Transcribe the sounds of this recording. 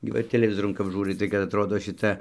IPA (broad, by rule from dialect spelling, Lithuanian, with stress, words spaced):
ɡʲɪ ˈʋɐ ɪr tʲɛlʲɛˈʋʲɪzoːrʊn kɐp ˈʒuːrɐɪ tɐɪ kɐt ɐtˈroːdoː ʃʲɪˈtɐ